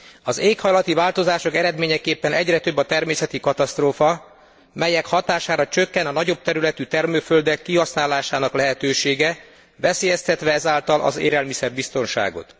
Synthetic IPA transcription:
ɒzeːkhɒjlɒt̪ivaːlt̪o̞zaːʃo̞kɛɾɛd̪meːɲɛkeːpːɛnɛɟrɛt̪øbːɒt̪ɛrmeːsɛt̪ikɒt̪ɒst̪roːfɒ | mɛjɛkhɒt̪aːʃaːɾɒt͡ʃøkːɛnɒnɒɟo̞b̚t̪ɛɾylɛt̪yt̪ɛrmøːfø̞ld̪ɛkːiɦɒsnaːlaːʃaːnɒklɛɦɛt̪øːʃeːɡɛ | ʋɛseːjɛst̪ɛt̪ʋɛɛzaːlt̪ɒlʔɒ̰zḛːɾɛlmisɛrbist̪o̞nʃa̰ːɡo̞̰t̪

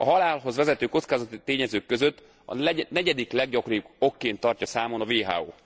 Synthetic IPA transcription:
ɒɦɒlaːlɦo̞zʋɛzɛt̪øːkotskaːzɒt̪it̪eːɲɛzøːkːø̞zøt̪ː | ɒ̰nɛɟɛd̪iklɛɡ̚ɟɒkorɾibo̞kːeːnt̪ːɒrcɒsaːmo̞nɒveːɦa̰ːo̰ː

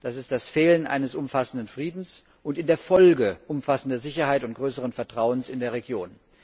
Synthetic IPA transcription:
d̥asɪst̚d̥asfeːlənʔa̰ɪnəsʔʊmfasn̩dənfʁ̥iːdn̩s | ʔʊntɪndeːɐfɔlɡəʔʊmfasn̩dɐzɪçɐhaɪtʊnt̚ɡ̥ʁøːsəʁənfɛɐtʁ̥aʊənsɪndeːɐʁ̞eɡjoːn

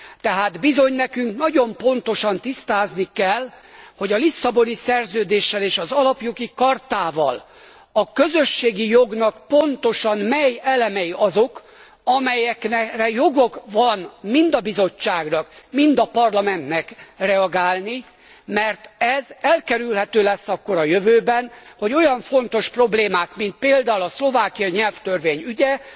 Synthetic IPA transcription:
t̪ɛɦaːd̪bizo̞ɲnɛkyŋknɒɟo̞mpo̞nt̪o̞ʃɒnt̪ist̪aːznikɛl | ho̞ɟɒlisːɒbo̞nisɛrzøːd̪eːʃːɛleːʃɒzɒlɒpjoɡikɒrt̪aːvɒ̰l | ɒkø̞zø̞ʃːeːɡijo̞ɡnɒkpo̞nt̪o̞ʃɒnmɛjɛlɛmɛjiʔɒzo̞k | ɒmɛjɛknɛrɛjo̞ɡo̞kvɒnmind̪ɒbizo̞t͡ʃːaːɡnɒkmind̪ɒpɒrlɒmɛnt̪nɛkrɛɒɡaːlni | mɛrt̪ɛzɛlkɛɾylhɛt̪øːlɛsːɒkːo̞ɾɒjøvøːbɛnho̞ɟo̞jɒɱfo̞n̪t̪o̞ʃpro̞bleːmaːt̪mint̪̚peːld̪aːulɒslo̞vaːkijɒɲɛlft̪ø̞rveːɲyɟɛ

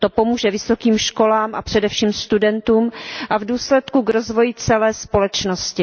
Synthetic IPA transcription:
t̪opo̞muːʒɛvɪso̞kiːmʃko̞laːmʔapr̝̥ɛdɛfʃiːmst̪udɛnt̪uːmʔavduːslɛt̪kuɡɾo̞zvo̞jɪt͡sɛlɛːspo̞lɛt͡ʃnoscɪ

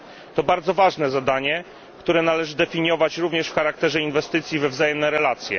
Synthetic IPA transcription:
t̪ɔbaɾd̪zɔvaʐnɛzad̪aɲɛ | kt̪uɾɛnalɛʐɘd̪ɛfʲiɲjɔvat͡ɕɾuvɲɛʂfxaɾak̚t̪ɛʐɛinvɛst̪ɘt̪sʲjivɛvzajɛmnɛɾɛlat̪sʲjɛ̰

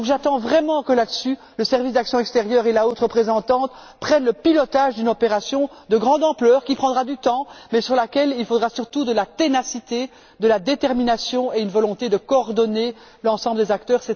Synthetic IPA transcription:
ɔ̃kʒat̪ɑ̃vʁɛmɑ̃kəlad̪əsy | ləsɛʁvisd̪aksjɔ̃ɛkst̪eʁjœːʁelaot̪χəpχezɑ̃t̪ɑ̃t̪ | pχɛnləpilɔt̪aːʒd̪ynɔpeʁasjɔ̃ | d̪əɡʁɑ̃d̪ɑ̃plœːʁkʲipχɑ̃d̪ʁad̪yt̪ɑ̃mɛsyʁlakʲɛlilfod̪ʁasyʁt̪ud̪əlat̪enasit̪e | d̪əlad̪et̪ɛʁminasjɔ̃eynvɔlɔ̃t̪ed̪əkɔːʁd̪ɔne | lɑ̃sɑ̃bləd̪ezakt̪œːʁsɛ

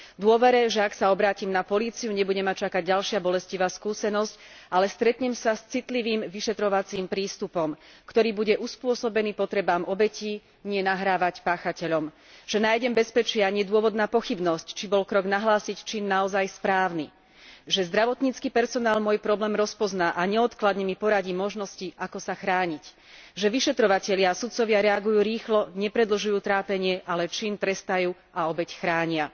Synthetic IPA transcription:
d̪ʊɔʋɛɾɛʒɛaksaɔbɾaːcimnapɔliːt͡siuɲɛbuɟɛmat͡ʃakaɟɟalʃɪabɔlɛsciʋaːskuːsɛnɔscʔalɛst̪ɾɛt̪ɲɛmsast͡sit̪liʋiːmʋiʃɛt̪ɾɔʋat͡siːmpɾiːst̪upɔmkt̪ɔɾiːbuɟɛʔuspʊɔsɔbɛniːpɔt̪ɾɛbaːmʔɔbɛcʰiː | ɲɪɛnaɦɾaːʋacpaːxacɛʎɔm | ʒ̥ɛnaːjɟɛmbɛspɛt͡ʃɪaɲɪɛd̪ʊɔʋɔd̪naːpɔxibnɔsct͡ʃibɔlkɾɔɡnaɦlaːsict͡ʃiːnːaɔzajspɾaːʊni | ʒɛzd̪ɾaʋɔt̪ɲiːt͡skipɛɾsɔnaːlmɔjpɾɔblɛːmɾɔspɔznaːʔaɲɛɔt̪klad̪ɲɛmipɔɾaɟiːmɔʒnɔsciʔakɔsaxɾaːɲic | ʒɛʋiʃɛt̪ɾɔʋacɛʎɪaːsut̪t͡sɔʋɪaɾɛaɡujuːɾiːxlɔɲɛpɾɛd̪l̩ʒujuːt̪ɾaːpɛɲɪɛʔalɛt͡ʃint̪ɾɛst̪ajuː | aɔbɛcxɾaːɲɪa

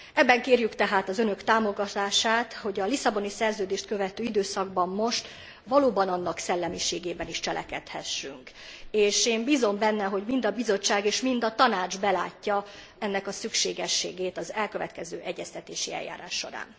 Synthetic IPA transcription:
ɛbːɛŋkeːrjykt̪ɛɦaːt̪ɒzø̞nø̞kt̪aːmo̞ɡɒt̪aːʃaːt̪ho̞ɟɒlisɒbo̞nisɛrzøːd̪eːʃt̪køvɛt̪øːid̪øːsɒɡbɒmːo̞ʃt̪ | ʋɒloːbɒnɒnːɒksɛlːɛmiʃeːɡeːbɛniʃt͡ʃɛlɛ̰kɛ̰t̪hɛ̰ʃːyŋk | eːʃeːmbiːzo̞mbɛnːɛɦo̞ɟmind̪ɒbizo̞t͡ʃːaːɡeːʃmind̪ɒt̪ɒnaːd͡ʒbɛla̰ːcːɒ | ɛnːɛkɒsykʃeːɡɛʃːeːɡeːt̪ɒzɛlkø̞vɛ̰t̪kɛzø̰ːʔɛɟːɛst̪ɛt̪eːʃiɛ̰jːa̰ːɾa̰ːʃːo̞̰ɾa̰ːn

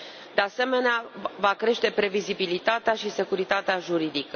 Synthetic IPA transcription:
d̪ease̞me̞neavakɾe̞ʃt̪e̞pɾe̞vizibilit̪at̪eaʃise̞kuɾit̪at̪eaʒuɾid̪ikə

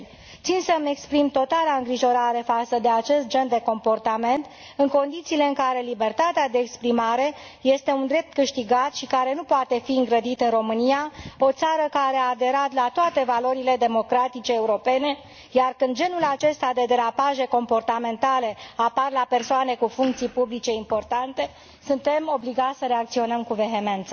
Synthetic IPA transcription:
t̪sinsəme̞kspɾimt̪o̞t̪alaɨŋɡɾiʒo̞ɾaɾe̞fat̪səd̪e̞at͡ʃe̞st̪̚d͡ʒe̞nd̪e̞ko̞mpo̞rt̪ame̞nt̪ | ɨŋko̞nd̪it̪siːle̞ɨŋkaɾe̞libe̞rt̪at̪ead̪e̞ːkspɾimaɾe̞ | je̞st̪e̞und̪ɾe̞p̚t̪kɨʃt̪iɡat̪ʃikaɾe̞nupoat̪e̞fiɨŋɡɾəd̪it̪ɨnro̞mɨnijao̞t̪saɾəkaɾe̞aːd̪e̞ɾat̪lat̪oat̪e̞valo̞ɾile̞d̪e̞mo̞kɾat̪it͡ʃe̞ːuɾo̞pe̞ne̞ | jarkɨnd̪d͡ʒe̞nulat͡ʃe̞st̪ad̪e̞d̪eɾapaʒe̞ko̞mpo̞rt̪ame̞nt̪ale̞aparlape̞rsoane̞kufuŋk̚t̪sijpublit͡ʃe̞impo̞rt̪ant̪e̞ | sunt̪e̞mo̞bliɡat̪sʲsəɾe̞ak̚t̪sio̞nəmkuve̞ɦe̞me̞nt̪sə

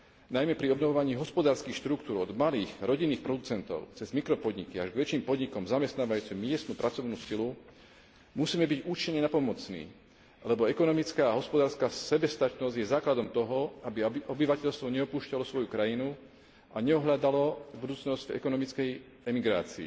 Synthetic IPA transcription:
najmɛpɾiɔbnɔʋɔʋaɲiːɦɔspɔd̪aːɾskiːxʃt̪ɾukt̪uːɾɔd̪maliːɣɾɔɟinːiːxpɾɔd̪ut͡sɛnt̪ɔ̰ʊt͡sɛzmikɾɔpɔd̪ɲikiaʒɡʋɛt͡ʃiːmpɔd̪ɲikɔmzamɛst̪naːʋajuːt͡simmɪɛst̪nupɾʔat͡sɔʋnuːsilu | musiːmɛbiɟuːt͡ʃiɲːɛnapɔmɔt͡snḭː | alɛbɔɛkɔnɔmit͡skaːɦɔspɔd̪aːɾskaːsɛbɛst̪at͡ʃnɔzɟjɛzaːklad̪ɔmt̪ɔɦɔabiɔbiʋacɛʎst̪ʋɔɲɛɔpuːʃcalɔsʋɔjukɾajinu | aɲɛɔɦʎad̪alɔbud̪uːt͡snɔzɟ̥vɛ̰kɔnɔmit͡skɛj | ɛmiɡɾa̰ːt͡sḭː

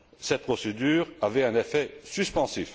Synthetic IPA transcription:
sɛt̪̚pχɔsed̪yːʁavɛɛ̃nefɛsyspɑ̃sif

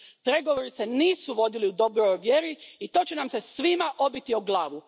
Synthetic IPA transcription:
pɾe̞ɡo̞ʋo̞ːɾise̞niːsuʋo̞d̪iliud̪o̞bɾojʋje̞ɾiit̪o̞ːt͡ɕenamse̞sʋimaʔo̞bit̪ioɡlˠaːʋu

